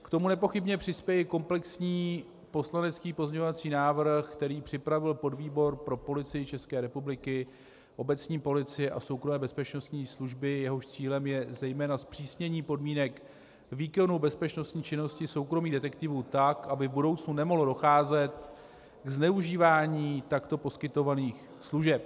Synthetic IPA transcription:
kt̪o̞munɛpo̞xɪbɲɛpr̝̥ɪspjɛjɛko̞mplɛksɲiː | po̞slanɛt͡skiːpo̞zɲeɲovat͡siːnaːvr̩xkt̪ɛɾiːpr̝̥ɪpɾavɪlpo̞dviːbo̞ɾpɾo̞po̞lɪt͡sɪjɪt͡ʃɛskɛːɾɛpublɪkɪ | ʔo̞bɛt͡sɲiːpo̞lɪt͡sɪjɛʔa̰so̞wkɾo̞mɛːbɛspɛt͡ʃno̞st̪ɲiːsluʒbɪjɛɦo̞ʃt͡siːlɛmjɛzɛjmɛːnaspr̥iːsɲɛɲiːpo̞dmiːnɛk | viːkonubɛspɛt͡ʃno̞st̪ɲiːt͡ʃɪno̞scɪso̞wkɾo̞miːdɛt̪ɛkt̪ɪvut̪akʔabɪvbudo̞wt͡snunɛmoɦlodo̞xaːzɛt̪ | ɡznɛuʒiːvaːɲiːt̪akt̪o̞po̞skɪt̪o̞vaniːx | sluʒɛp

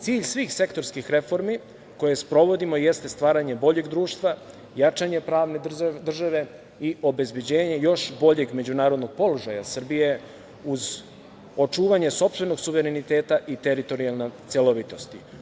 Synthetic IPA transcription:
t̪siːʎsʋiːxse̞kt̪o̞ɾskixɾe̞fo̞ɾmi | ko̞jespɾo̞ʋo̞d̪imo̞jest̪est̪ʋaːɾaɲe̞bo̞ʎe̞ɡd̪ɾuːʃt̪ʋa | jat͡ʃaɲepɾaːʋne̞d̪r̩ʒaʋe̞ | iʔo̞be̞zbe̞d͡ʑeːɲe̞jo̞ʃbo̞ʎe̞ɡme̞d͡ʑunaːɾo̞d̪no̞ɡ̚po̞loʒajasr̩bije | uz | o̞t͡ʃuːʋaɲeso̞pst̪ʋe̞no̞ɡsuʋeɾenit̪eːt̪aʔit̪e̞ɾit̪o̞ɾijalˠnet̪sjelo̞ʋit̪o̞st̪i

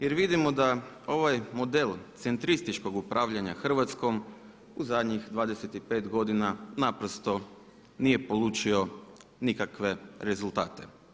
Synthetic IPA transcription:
jeɾʋid̪imo̞d̪a | o̞ʋajmo̞d̪e̞lˠt̪se̞nt̪ɾist̪it͡ʃko̞ɡupɾʔaːʋʎaɲaxr̩ʋat̪sko̞m | uzad̪ɲixd̪ʋaːd̪eset̪ipe̞ːt̪ɡo̞d̪inanapɾost̪o̞ | nije̞po̞lut͡ʃio̞nikakʋe̞ɾe̞zulˠt̪aːt̪e̞

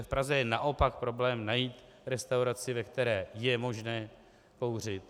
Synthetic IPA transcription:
fpɾazɛjɛnaʔo̞pak̚pɾo̞blɛːmnajiːt̪ | ɾɛst̪awɾat͡sɪvɛkt̪ɛɾɛːjɛmo̞ʒnɛː | ko̞wr̝ɪt̪

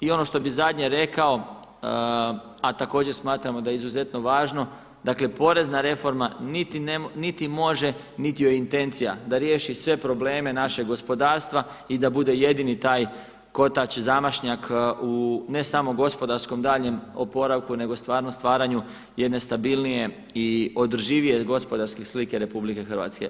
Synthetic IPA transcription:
io̞no̞ʃt̪o̞bizad̪ɲeɾe̞kao̞ | at̪ako̞ːd͡ʑe̞ɾsmaːt̪ɾamo̞d̪ajeizuze̞t̪no̞ʋaːʒno̞ | d̪akle̞po̞ɾe̞znaɾe̞fo̞ɾmanit̪inenit̪imo̞ʒe̞ | nit̪ijojint̪e̞nt̪sijad̪aɾje̞ːʃisʋe̞pɾo̞ble̞ːme̞naʃe̞ɡɡo̞spo̞d̪aːɾst̪ʋa | id̪abud̪e̞je̞d̪init̪aːj | ko̞t̪at͡ʃzamaʃɲakune̞samo̞ɡo̞spo̞d̪aɾsko̞md̪aːʎɲe̞mopo̞ɾaʋkune̞ɡost̪ʋaːɾnost̪ʋaːɾaɲu | jed̪ne̞st̪abilˠnije̞ | io̞d̪r̩ʒiːʋije̞ɡo̞spo̞d̪aɾskeslike̞ɾe̞publike̞xərʋa̰t̪ske̞̰

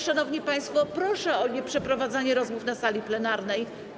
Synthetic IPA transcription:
ʂanɔvɲipaj̃st̪fɔpɾɔʂɛɔɲɛpʂɛpɾɔvad̪zaɲɛɾɔzmufnasalʲiplɛnaɾnɛj

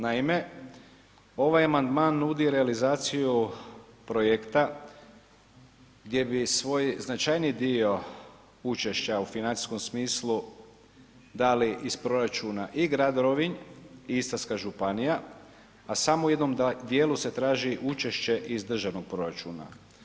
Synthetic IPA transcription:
naime̞ | o̞ʋajamand̪maːnːuːd̪iɾe̞alizaːt̪sijupɾo̞jekt̪a | ɡd̪je̞bisʋo̞jznat͡ʃajnid̪io̞ | ut͡ʃe̞ʃt͡ɕaufinani̥sko̞msmiːslu | d̪aːliʔispɾo̞ɾat͡ʃunaʔiɡɾad̪ɾoʋiɲiist̪askaʒupanija | asamouje̞d̪no̞md̪jeːluse̞t̪ɾaːʒiʔut͡ʃe̞ʃt͡ɕe̞ʔizd̪r̩ʒaʋnoɡ̥̚pɾo̞ɾat͡ʃuːna̰

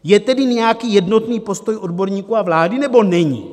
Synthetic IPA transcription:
jɛt̪ɛdɪɲɛjakiːjɛdno̞t̪niːpo̞st̪o̞jʔo̞dbo̞ɾɲiːkuːavlaːdɪnɛbo̞nɛɲḭː

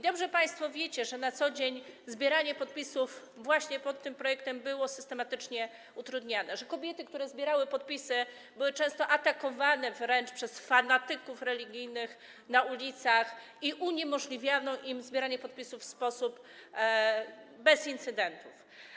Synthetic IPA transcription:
d̪ɔbʐɛpaj̃st̪fɔvʲjet͡ɕɛʐɛnat̪sɔd͡ʑeɲzbʲjeɾaɲɛpɔt̪̚pʲisuf | vwaɕɲɛpɔt̪ːɘmpɾɔjɛk̚t̪ɛmbɘwɔsɘst̪ɛmat̪ɘt͡ʂɲɛ | ut̪ɾud̪ɲanɛʐɛkɔbʲjɛt̪ɘkt̪uɾɛzbʲjɛɾawɘpɔt̪̚pʲisɘ | bɘwɘt͡ʂɛ̃w̃st̪ɔʔat̪akɔvanɛvɾɛnt͡ʂpʂɛsfanat̪ɘkufɾɛlʲiɡʲijnɘx | naulʲit̪sax | iʔuɲemɔʐlʲivʲjanɔʔimzbʲjɛɾaɲɛpɔt̪̚pʲisufːspɔsup | bɛzint̪sɘd̪ɛnt̪uf

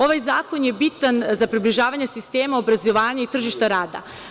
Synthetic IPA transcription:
o̞ʋajzaːkonje̞bit̪anzapɾibliʒaːʋaɲesist̪e̞ːmaobɾazo̞ʋaːɲait̪r̩ʒiʃt̪aɾaːd̪a̰

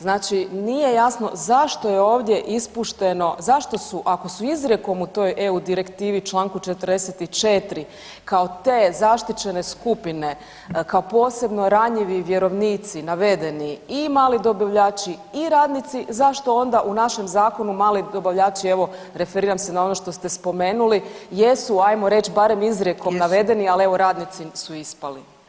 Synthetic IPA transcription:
znaːt͡ʃinije̞jasno̞̰zaʃt̪o̞je̞o̞ːʋd̪je̞ʔispuʃt̪e̞no̞zaʃt̪o̞suʔako̞suizɾjeko̞mut̪o̞jʔe̞ud̪iɾe̞kt̪iːʋit͡ʃlˠaːŋkut͡ʃet̪r̩d̪eset̪it͡ʃe̞t̪ɾi | kaot̪e̞ːzaʃt̪it͡ɕe̞ne̞skupine̞ | kaopo̞ːse̞bno̞ɾaɲiʋiʋje̞ɾo̞ʋniːt̪sinaʋe̞d̪e̞niimaːlid̪o̞baʋʎaːt͡ɕiiɾaːd̪nit̪sizaʃt̪o̞o̞nd̪aʔunaʃemzaːko̞numaːlid̪o̞baʋʎaːt͡ɕie̞ʋo̞ | ɾe̞feɾiːɾamsenao̞no̞ʃt̪o̞st̪e̞spo̞me̞ːnulijesuajmoɾe̞t͡ɕbaɾe̞mizɾje̞ko̞mnaʋe̞d̪e̞nialie̞ʋo̞ɾaːd̪nit̪sisuispali

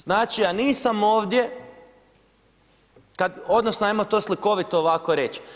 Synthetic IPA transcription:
z̥naːt͡ʃianiːsamoːʋd̪je̞ | kad̪o̞d̪nosnoemot̪oːsliko̞ʋit̪oːʋako̞ɾet͡ʃ

